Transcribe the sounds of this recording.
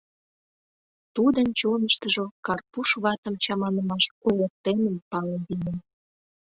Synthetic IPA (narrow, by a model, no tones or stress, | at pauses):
t̪ud̪ənt͡ɕonəʃt̪əʒokɑrpuʃβɑt̪əmt͡ɕɑmɑnəmɑʃkojek̚t̪enəmpɑlənd̪inən